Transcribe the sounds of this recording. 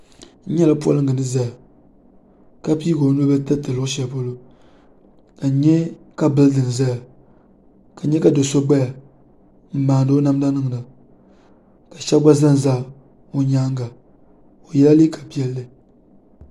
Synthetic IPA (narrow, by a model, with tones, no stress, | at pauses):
ɲɛ˦la˦pu˦a̰˦lɨ˦ŋɡɨ˨nɨ˦za˦ja˨ | ka˦piː˦ɡo˨˦nu˦ba˦ta˦tɨ˨lo˦ʃɛ˨˦˨po˦lo˦ | ka˨˦ɲɛ˦ | ka˦bɨ˦ldɨ˨n˨za˦ja˨ | ka˨ɲɛ˦ka˨do˨so˦ɡ͡ba˦ja˨ | m̩˦maː˨n˨dɨ˦o˦na˦m˦da˦nɨ˦ŋ˨na˨ | ka˨ʃɛ˦ɡ͡ba˦za˦n˨za˦˨ | o˨ɲaː˦ŋ˦ɡa˨ | o˨jɛ˦la˦liː˦ka˨pi˦ɛ˦lːɨ˦